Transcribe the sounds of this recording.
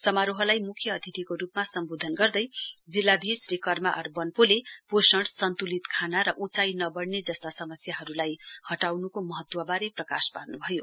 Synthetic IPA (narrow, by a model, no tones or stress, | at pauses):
sʌmaɾuɦʌlajmukʰjʌːd̪ʰʱit̪ikoɾupmasʌmbod̪ʱʌnɡʌrd̪ʌjd͡zilːad̪ʱisrekʌrmaʔʌrbʌnpoleposʌɽsʌnt̪ulit̪kʰanaɾʌʔut͡sajnʌbʌɽned͡zʌst̪asʌmʌsjaɦʌɾulajhʌʈawnukomʌɦʌt̪ːwʌbaɾeprʌkasparnubʱʌjo